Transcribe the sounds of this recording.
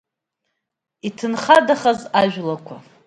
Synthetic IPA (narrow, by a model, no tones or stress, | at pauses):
itʰɨnχadaχazaʒᶣlakʷʰa